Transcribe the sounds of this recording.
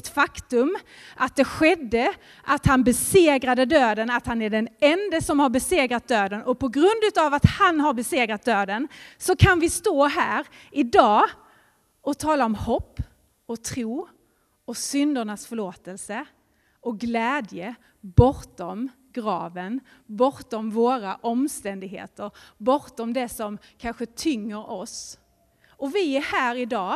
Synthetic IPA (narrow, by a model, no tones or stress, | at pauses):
t̪fakt̪ɵmʔat̪̚d̪ɛɧɛd̪ːə | ʔat̪hanbɛseːɡɾad̪əd̪øːd̪ənat̪hanæɖɛnɛnd̪əsɔmhaɾbɛseːɡɾat̪̚d̪øːd̪ənʔɔpʰɔɡɾɵnd̪ʉ̟ːt̪avat̪hanɦaɾbɛseːɡɾat̪̚d̪øːd̪ənsɔkʰanvɪst̪oːɦæːɾ | ɪd̪ɑː | ɔt̪ʰɑːlaɔmhɔpː | ɔt̪ʰɾuː | ɔsʏnd̪əɳasfœɭoːt̪əlsə | ɔɡlɛːd̪jə | bɔɾt̪ɔm | ɡɾɑːvənbɔɾt̪ɔmvoːɾaʔɔmst̪ɛnd̪ɪɡɦḛːt̪əɾbɔɾt̪ɔmd̪ɛsɔmkʰanɧət̪ʰʏŋːəɾɔs | ɔvɪæɾhæːɾɪd̪ɑː